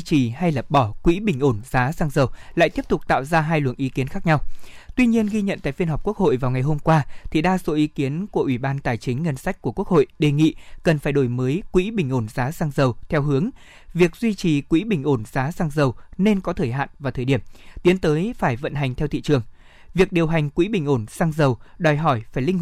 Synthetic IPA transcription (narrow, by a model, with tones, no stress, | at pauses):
t͡ɕi˨˩ha˧jlə˨˩p̚ɓɔ˧˩kwḭ˧˥ɓï˨˩ŋ̟ʔo˧˩nzaː˨˦saː˧ŋzə˨˩wla̰ː˧˨jt̪i˦˥p̚t̪ʊ˨˩k͡p̚t̪a̰ː˧˨wzaː˧ɦaː˧jlwə̰˧˨ŋʔi˨˦ki˨˦ənxaː˦˥k̚ɲa˧wt̪wi˧ɲi˧ənɣi˧ɲə̰˧˨nt̪a̰ː˧˨jfi˧ənɦa˨˩wk͡p̚ku˦˥ək̚ho̰˧˨jvaː˨˩wŋa˨˩jɦo˧mkwaː˧t̪ʰi˨˩ɗaː˧so˨˦ʔi˨˦ki˨˦ənku˧˩əʔwi˧˩ɓaː˧nt̪aː˨˩jt͡ɕï˨˦ŋ̟ːə˧nsa˦˥jk̟̚ku˧˩əku˦˥ək̚ho̰˧˨jɗe˨˩ŋḭ˧˨kə˨˩nfaː˧˩jɗo˧˩jməː˨˦jkwḭ˧˥ɓï˨˩ŋ̟ʔo˧˩nzaː˨˦saː˧ŋzə˨˩wt̪ʰɛ˧wɦɨ˨˦əŋ | vi˨˩ək̚zwi˧t͡ɕi˨˩kwḭ˧˥ɓï˨˩ŋ̟ʔo˧˩nzaː˨˦saː˧ŋzə˨˩wne˧nkɔ˨˦t̪ʰəː˧˩jɦa̰ː˧˨nvaː˨˩t̪ʰəː˨˩jɗi˧˩əmt̪i˨˦ənt̪əː˨˦jfaː˧˩jvə̰˧˨nɦa˨˩jŋ̟t̪ʰɛ˧wt̪ḭ˧˨t͡ɕɨ˨˩əŋ | vi˨˩ək̚ɗi˨˩əwɦa˨˩jŋ̟kwḭ˧˥ɓï˨˩ŋ̟ʔo˧˩nsaː˧ŋzə˨˩wɗɔ˨˩jɦɔ˧˩jfaː˧˩jlï˧ŋ